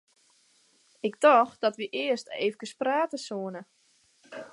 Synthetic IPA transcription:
ɪkdɔxd̥ɔtʋiʔɪəsteːvəkəspraːtəsoənə

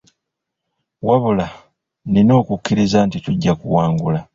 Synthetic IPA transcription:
waβula | nino̞ːkukːiɾizantituɟːakuwaːŋɡula

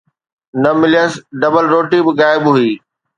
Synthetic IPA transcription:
nɐmɪlijəsɖɐbəlɾoːʈibɪɣaːɪbɦʊiː

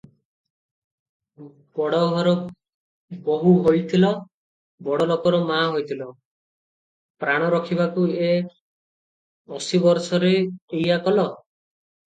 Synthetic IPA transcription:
bɔɽɔɦɔɾɔ | boɦuɦojt̪ʰilɔ | bɔɽɔlokɔɾɔmaɦojt̪ʰilɔ | pɾaɽ̃ɔɾɔkʰiβakue | ɔsibɔɾsɔɾeːjakɔlɔ

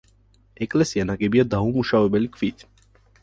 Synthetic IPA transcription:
eklesianaɡebijad̪aɦumuʃawebelikfit̪

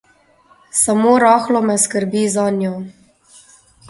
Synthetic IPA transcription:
samoːɾɔːxlɔmɛskəɾbiːzanjɔ

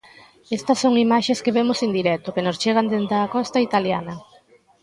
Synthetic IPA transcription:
est̪ɐsːoŋimaʃeskeβemʊsend̪iɾɛt̪ʊkenost͡ʃeɣ̞ɐnd̪ent̪aːkɔst̪ɐit̪aljanɐ

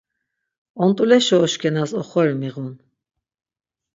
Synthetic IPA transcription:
ɔnt̪ʼulɛʃɔːʃkʰɛnasɔχɔɾmiʁun

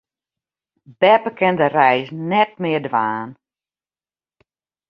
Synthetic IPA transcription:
b̥ɛpəkʰɛndərɛjsnɛt̚mɪərdʋaːn

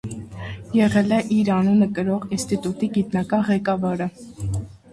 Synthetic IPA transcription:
jɛʁɛlɛʔiɾɑnunəkəɾɔʁinst̪it̪ut̪iɡit̪nɑkɑnʁɛkɑvɑɾə

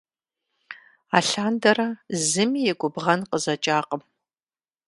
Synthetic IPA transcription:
aːɬaːndɐrɐzɨmijɛɡʷʼʊbʁɐnqəzɐt͡ʃʼaːqəm

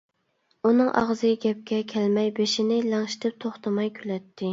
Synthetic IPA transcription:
unɨŋʔɑ̰ʁzɨɡʲɛp̚kʲɛkʲʰɛlmɛjbeʃinɪlɑŋʃi̥t̪ʰɪp̚t̪ʰoχt̪ʰɑmɑjkʲʰylɛt̪ʰːɪ

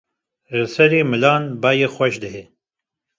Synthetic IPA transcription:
rɨsɛɾeːmɨlɑːnbɑːjeːxʷɛʃd̪ɨɦe

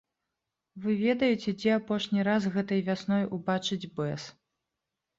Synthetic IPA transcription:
vɨvʲɛd̪ɐjɛt͡sʲɛd͡zʲɛapɔʂnʲiɾazɣɛt̪ɐjvʲasnɔjubat͡ʂɨd͡zʲbɛs

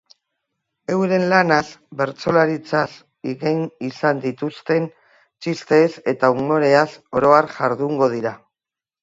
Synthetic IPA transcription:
e̞wɾe̞nlanasbe̞ɾt͡so̞laɾit͡sas | iɣenisand̪it̪ust̪e̞n | t͡ʃist̪e̞ːse̞t̪aumo̞ɾe̞aso̞ɾo̞aɾʝaɾðuŋɡo̞ð̞iɾa

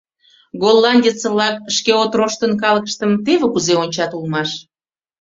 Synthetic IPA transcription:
ɡolˠːɑnʲdʲet͡sə̆βlɑk̚əʃkeot̪roʃt̪ənkɑləkə̥ʃt̪əmt̪eβekuzeonʲt͡ɕɑt̪ulmɑʃ

